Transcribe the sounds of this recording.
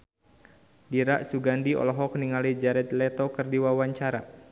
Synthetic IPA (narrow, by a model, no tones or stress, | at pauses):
diɾaʔsuɡandiɔ̰lɔɦɔk̚niŋalid͡ʒaɾɛt̪lɛt̪ɔkərdiwawaɲt͡ʃaɾa